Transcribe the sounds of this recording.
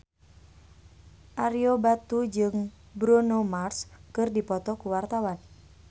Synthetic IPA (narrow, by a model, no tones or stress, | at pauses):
ʔaɾiobat̪ud͡ʒɨŋ | bɾunomarskɨrdipɔt̪ɔkuwart̪awan